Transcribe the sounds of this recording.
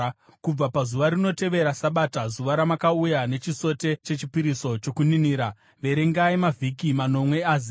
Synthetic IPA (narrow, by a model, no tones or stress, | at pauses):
kub͡vapazuʋaɾino̞te̞ʋe̞ɾasaɓatazuʋaɾamakaujane̞t͡ʃiso̞te̞t͡ʃe̞t͡ʃipiɾiso̞t͡ʃo̞kuniniːɾa | ʋe̞ɾeŋɡaimavʱikimano̞mwe̞aːzi